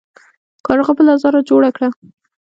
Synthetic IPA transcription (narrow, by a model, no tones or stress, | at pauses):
kɑɾɣapəlazɑɾad͡ʒoɽakɽa